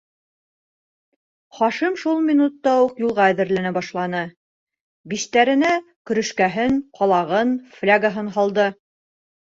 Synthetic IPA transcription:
χɑʃimʃulˠmʲinut̪ːɑuqjulˠʁɑæðɘ̆ɾlænæbɑʃlˠɑnɤ | biʃt̪æɾɘ̆næ | kɵ̆ɾɵ̆ʃkæɦɘŋqʰɑlˠɑʁɤnflʲaɡaɦɤnɦɑlˠd̪ɤ

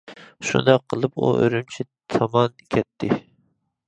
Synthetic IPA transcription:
ʃṵnd̪ɑqʰːəlˠɨpṵʔø̰ɾymt͡ʃʰi | t̪ʰɑmɑnkʲʰɛt̪ʰːɪ

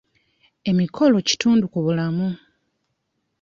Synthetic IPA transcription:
e̞mikʰo̞lo̞ci̥tuːndukuβulamu

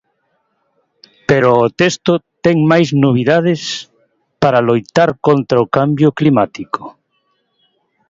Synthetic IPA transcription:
peɾoːt̪est̪ʊt̪ɛŋmajznoβ̞iðað̞ɪs | paɾalojt̪aɾkont̪ɾaokambjʊklimat̪iko̥

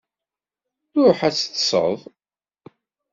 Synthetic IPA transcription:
θʊɾħæt͡sːθsˤə̰ðˤ

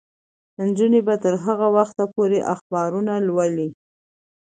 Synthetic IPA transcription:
nd͡ʒunebat̪əɾɦaɣawaxt̪apoɾeʔaxbɑɾunalwaəli

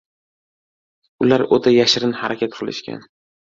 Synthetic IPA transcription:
ʊlaɾot̪ʰajaʃɪɾɪnhaɾakʲʰat̪̚qʰɨlˠɪ̰ʃkʲa̰n

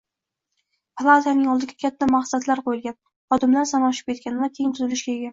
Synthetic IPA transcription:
pʰlˠat̪ʰanɪŋɒlˠd̪ɪɡʲakʲʰat̪ʰːamaχsat̪laɾqʰojɪlɡʲan | ɒd̪ɪmlaɾsanɒʃɪp̚kʲe̞t̪̚kʲʰanɪvakʲʰejɪŋt̪ʰʊzɪlɪʃɡʲaeɡʲa

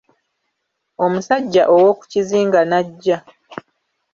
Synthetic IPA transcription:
o̞musaɟːaʔowo̞ku̥ciziːŋɡanaɟːa

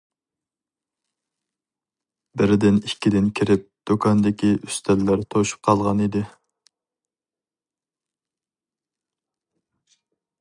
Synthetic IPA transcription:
bɪɾɪd̪ɪnikʲʰːid̪ɪnkʲʰiɾɪp̚d̪̥okʰɑnd̪ɪkʲiʔyst̪ʰɛlːæɾt̪ʰoʃu̥p̚qʰɑlˠʁɑnid̪ɪ

